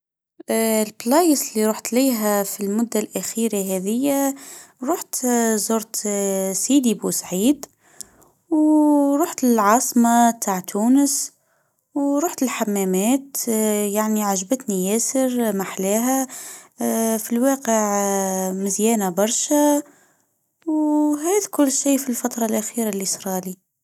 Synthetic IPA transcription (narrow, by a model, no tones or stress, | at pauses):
lblɑːjɪslːiɾuːħt̪liːɦæfilmʊd̪ːalʔæxiːɾaɦɛːðɪjːaɾˤuːħt̪zoɾt̪sid̪ibuːsʕiːd̪ | wɾˤuːħt̪ɪlʕɑːsˤmɑt̪ʰaːʕt̪ʰuːnəs | wɾˤuːħt̪ɪlħamːæmæːt̪jaʕniʕaʒbət̪nijæːsəɾmaħlæːɦæ | filwɑːqəʕmɪzjɛːnabɑɾˤʃa | wɦæːðkʊlːʃiːfilfat̪ɾˤɑlʔaxiːɾalɪsɾˤɑːli